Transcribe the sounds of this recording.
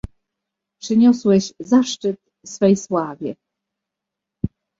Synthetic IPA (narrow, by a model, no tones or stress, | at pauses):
pʂɘɲɔswɛɕzaʂt͡ʂɘt̪ | sfɛjswavʲjɛ̰